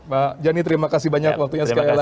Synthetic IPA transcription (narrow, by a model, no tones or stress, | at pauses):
mad͡ʒanit̪əɾimakasibaɲakwak̚t̪uɲasəkajla